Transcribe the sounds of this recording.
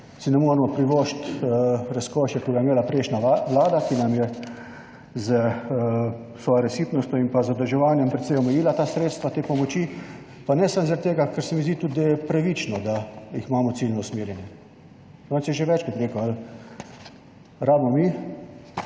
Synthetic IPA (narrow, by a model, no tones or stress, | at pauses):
sinɛmɔːɾɛmɔpɾiʋɔʃt̪ɾaskɔːʃjɛk̪iɡajɛmeːlapɾeːʃnaʋlaːd̪akinamjɛ | zə | sʋɔːjoɾɛsiːp̪nɔst̪ʲjɔimpazɔd̪əlʒɛʋaːnjɛmpɾɛt̪sɛjɔmɛjiːlat̪aːsɾeːt̪st̪ʋat̪eːpɔmɔt͡ʃiː | panɛsamzaɾat̪ːeːɡakəɾsɛmizd̪it̪ud̪̚d̪ajɛpɾaʋiːt͡ʃnɔd̪ajiximaːmɔt̪silnɔusmeːɾjɛnjɛ | ɔːnsjɛʒeʋɛt͡ʃkat̪ɾeːkoal | ɾaːbmɔmi